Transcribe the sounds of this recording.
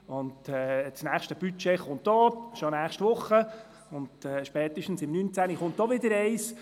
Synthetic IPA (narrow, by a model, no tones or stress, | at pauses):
ʊndɛt͡snæːχʃtəb̥yt͡ʃɛχʊntdɔːʃɔnæːχʃtʋʊχːə | ʊndɛʃpɛːt̪ɪʃtn̩sɪmnynt͡sæniχʊntdɔʋɪd̪əɾɛɪs